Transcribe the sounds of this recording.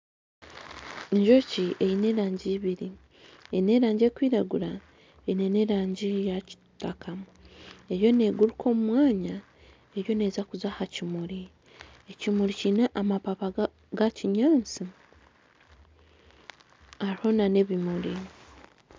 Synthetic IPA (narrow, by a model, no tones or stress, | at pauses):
eɲʒo̞ciʔe̞jine̞ɾaːɲɟiːβiɾi | ejine̞ɾaːɲɟe̞ːkwiːɾaɡuɾa | einene̞ɾaːɲɟijaci̥ | takʰa | e̞ɾjo̞ne̞ːɡuɾukʰo̞ːmumwaːɲa | e̞ɾjo̞ne̞ːzakuzahacimuɾi | ecimuɾicineʔamapapa | ɡaciɲaːnt͡si | aɾiho̞nane̞βimuɾi